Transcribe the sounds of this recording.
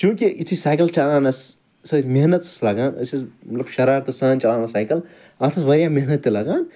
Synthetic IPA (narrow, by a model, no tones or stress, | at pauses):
t͡ʃũːkiit̪ʰuisaːjkɐlt͡ʃɐlaːnɐs | sɐt̪meɦnɐt̪sɐslɐɡaːnɐ̰sismɐt̪lɐbʃɐɾaːɾt̪ɐsãːnt͡ʃɐlaːnɐsaːjkɐl | ɐt̪ʰɐsʋɐɾjaːmeɦnɐt̪ːilɐɡaːn